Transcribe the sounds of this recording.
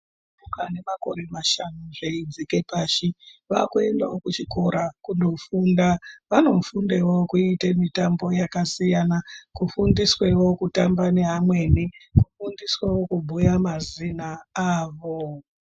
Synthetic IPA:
ukane̞mako̞̰ɾe̞maʃanuʐeid͡zike̞paːʃiʋakue̞nda̰okut͡ʃiko̞ɾakundo̞fundaʋano̞fundewo̞kuitemitambo̞jakasijanakufundiswe̞wo̞kutambane̞ɦamwe̞ːnikufundiswawo̞kubʱujamazinaaːʋo̞

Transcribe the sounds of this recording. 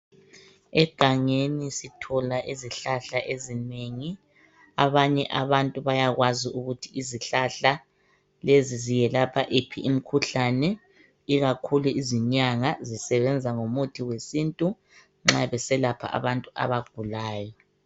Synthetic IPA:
ɛɡ̥ʱaŋenisitʰɔlaʔiziɬaɬaʔezineŋi | aβaɲɛʔaβantʼuβajaɣwaziuɣutʰiʔiziɬaɬa | lezizijɛlapʰaʔepʰiʔim̩kʰuɬanɛ | iɣakʰuluiziɲaŋazisɛβɛnd͡zʱaŋomutʰiwesintʼu | ŋ͡ǁaβɛsɛlapʰa̰ʔa̰βantʼuʔa̰βaɡ̥ʱulaːjɔ

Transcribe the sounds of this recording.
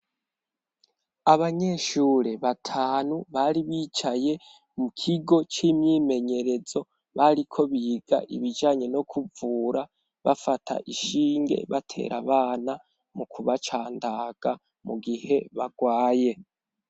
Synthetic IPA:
aβaɲe̞ʃuːɾeβatʰaːnuβaɾiβiːt͡ʃaje̞ | mukʰiɡo̞t͡ʃimɲime̞ɲe̞ɾe̞zo̞ | βaɾikʰo̞βiɡ̥a̰ʔḭβid͡ʒaːɲe̞no̞kʰuvuːɾa | βafatʰa̰ʔiʃiːŋɡe̞̰βatʰe̞̰ɾa̰βaːna | mukuβat͡ʃaːndaɡ̥a | muɡihe̞βaɡwaːje̞

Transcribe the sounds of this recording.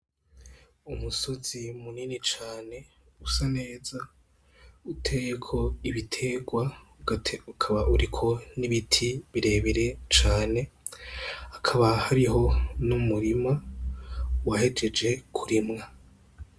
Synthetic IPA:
umuso̞zimuninit͡ʃaːne̞ | usane̞ːza | utʰe̞jekʰo̞iβitʰe̞ɡwa | tukʰaβaʔuɾikʰo̞niβitʰiβiɾe̞ːβiɾe̞t͡ʃaːne̞ | akʰaβahaɾiɦo̞numuɾima | wahe̞d͡ʒe̞d͡ʒe̞kʰuɾimŋa

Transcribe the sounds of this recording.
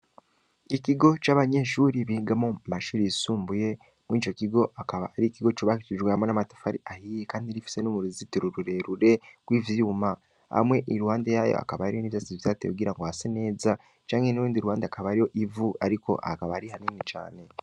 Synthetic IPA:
ikiɡo̞t͡ʃaːβaɲe̞ʃuːɾiβiɡamomaʃuːɾiisuːmbuje̞ | mwiːt͡ʃo̞kiɡo̞ʔakaβaaɾikiɡo̞t͡ʃoβahit͡ʃiʒɡwaamonamatḁfaɾḭʔahijekaːndiɾifi̥se̞numuɾizitiɾuɾuɾe̞ɾuɾe̞ɡ̥wiːvjuːma | ha̰mwe̞ʔiɾuhaːndejajo̰a̰kaβaɾijoniːβzasiβitatḛkuɡiɾaŋɡo̞hasene̞ːza | t͡ʃaːŋɡenuɾuːndiɾuwaːndeakaβaɾijo̞ʔivuaɾiko̞̰ʔa̰kaβaaɾihaniːnit͡ʃa̰ːne̞

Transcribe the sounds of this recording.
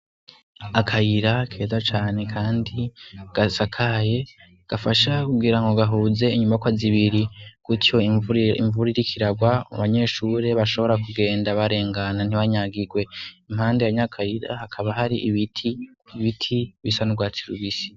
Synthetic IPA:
akʰajiɾakʰe̞ːzat͡ʃaːne̞kʰaːndiɡ̥asakʰaje̞ | ɡ̥afaʃakuɡiɾaŋɡoɡaɦuːze̞iɲumbakwaziβiɾikutʰjo̞ḭɱvuɾiɾikʰiɾaɡwamṵβaɲe̞ʃuɾe̞βaʃo̞βo̞ɾakuɡe̞ːndaβaɾe̞ːŋɡanan̥iβaɲaɡiɡwe̞im̥haːndejaɲakʰajiɾa̰hakʰaβaɦaɾiʔβitʰi | iβitʰiβisanuɡwatʰiɾṵβisi̥

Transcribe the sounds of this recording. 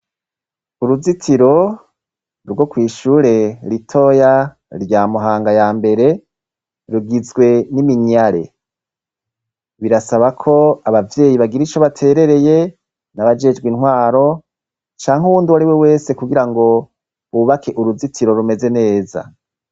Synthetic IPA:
uɾuzitʰiɾo̞ | ɾɡwo̞kwiːʃuːɾe̞ɾitʰo̞ːja | ɾjaːmuɦaːŋɡajaːmbe̞ɾe̞ | ɾuɡizɡwe̞nimiɲaɾe̞̰ | βiɾasaβakʰo̞aβavje̞ːjiβaɡiɾit͡ʃo̞βatʰe̞ːɾe̞ɾe̞je̞ | naβad͡ʒe̞d͡ʒɡwinɦwaːɾo̞ | t͡ʃaːŋ̥huβuːndiwaɾiwewe̞ːse̞kuɡiɾaŋɡo̞ | uuβakʰe̞ʔuɾuzitʰiɾo̞ɾume̞ze̞ne̞ːza̰

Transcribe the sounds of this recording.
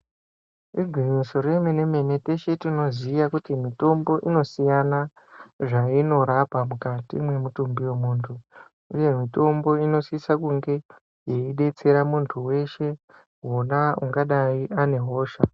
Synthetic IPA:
riɡʱwiɲiso̞ɾe̞mene̞me̞ne̞te̞ʃetino̞zijakutimito̞mbo̞ʔino̞sijana | ʐaino̞ɾapamukatḭmwe̞mutumbiwe̞muːntʰu | uje̞mito̞mbo̞ino̞sisakuŋɡe̞ | je̞iɗe̞t͡se̞ɾamuntʰuwe̞ʃe̞ | ɦonauŋɡaɗaiʔane̞ɦo̞ːʃa

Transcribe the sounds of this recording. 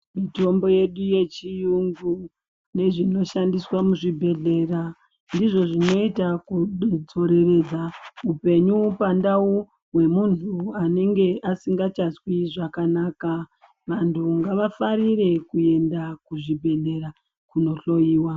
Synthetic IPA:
mito̞mbo̞je̞ɗuje̞t͡ʃijuŋɡu | ne̞ʐino̞ʃandiswamuʐibʱe̞ɮe̞ːra | ndiʐo̞ʐino̞itakud͡zo̞ɾe̞re̞d͡zaupe̞ɲupandau | we̞muntʰuane̞ŋɡe̞ʔasiŋɡat͡ʃazwiʐakanaːka | ʋantʰuŋɡaʋafaɾire̞kue̞ndakuʐibʱe̞ɮe̞ɾa | kuno̞ɬo̞jiːwa

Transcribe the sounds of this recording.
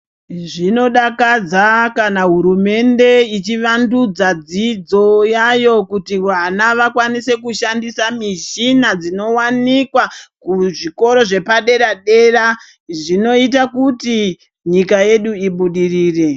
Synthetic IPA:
ʐino̞ɗakad͡zakanaɦuɾume̞nde̞it͡ʃiʋandud͡zad͡zid͡zo̞jajo̞kutiʋanaʋakwanise̞kuʃandisamiʃinad͡zino̞wanikwakuʐiko̞ɾo̞ʐe̞paɗe̞ɾaɗe̞ːra | ʐino̞it̬akuti | ɲikaje̞ɗuiɓuɗiriːre̞

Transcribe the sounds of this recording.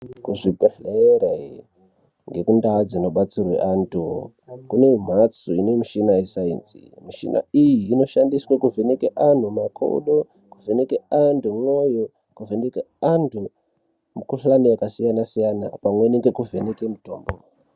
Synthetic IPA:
kuʐipeɬere | ŋɡe̞kundaːd͡zino̞ɓat͡sirwḛʔantʰu | kune̞m̤at͡suine̞miʃinaisaḭnzḭmiʃḭna̰ijiːno̞ʃandiswakuvenekeʔan̤umakʰo̰ṵɗo | kuvʱe̞nekeandumwojo | kuveneke | antu | mukuɬanijakasijanasijana̰pamwe̞neŋɡekuvenekemuto̰ːmbo̰

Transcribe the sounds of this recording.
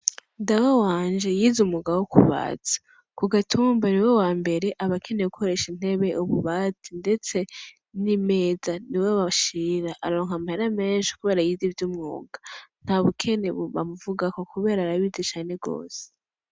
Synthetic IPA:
dawowaːnd͡ʒe̞jiːzumuɡawokʰṵβa̰ːt͡sḁ | kuɡatʰuːmbaniwe̞waːmbe̞ɾe̞ʔaβakʰe̞ne̞ukʰo̞ɾe̞ʃin̥he̞βe̞ʔuβuβaːt͡sinde̞t͡se̞ | nime̞ːzaniweβaʃiːɾaʔaɾo̞ːŋ̥hamaheɾame̞ːnʃi̥kuβe̞ːɾajizivjumŋo̰ːɡan̥haːβukʰe̞neβuβa̰muvuɡakokuβe̞ːɾaɾaβizet͡ʃaːne̞ɡo̞̰ːse̥

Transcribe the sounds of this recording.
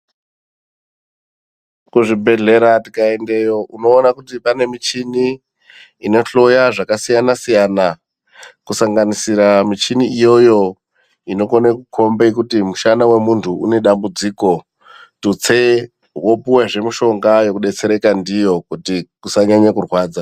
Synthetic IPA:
kuʐibʱe̞ɮe̞ɾatikaendejo̞ʔuno̞ːnakutipane̞mit͡ʃiniː | no̞ɬo̞jaʐakasijanasijana | kusaŋɡanisiɾamit͡ʃiniijo̞jo̞ | ino̞konekukʰo̞mbek̬utimuʃanawe̞muntʰuṵne̞ɗambud͡ziːko̞ | tut͡se | wo̞puweʐe̞miʃo̞ŋɡajo̞kuɗe̞t͡se̞ɾe̞kandijo̞kutikusaɲaɲwekurwaːd͡za

